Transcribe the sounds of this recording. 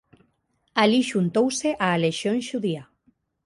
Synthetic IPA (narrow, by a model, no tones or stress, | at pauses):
aliʃunt̪owseʔaːleʃjonʃuðia